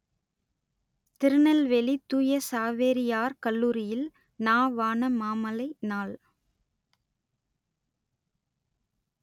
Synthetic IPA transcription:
t̪ɪɾɯnɐlʋɛlit̪ːuːjɐsaːʋeɾɪjaːɾkɐlːuːɾɪjɪl | naːʋaːnɐmaːmɐlɐɪnaːɭ

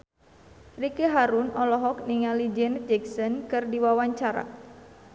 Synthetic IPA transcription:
rikeɦaɾunʔɔlɔɦɔk̚niŋalid͡ʒɛnd͡ʒɛksɔnkɨrdiwawaɲt͡ʃaɾa̰

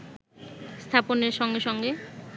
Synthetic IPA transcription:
st̪ʰaponeɾʃɔŋɡeʃɔŋɡe

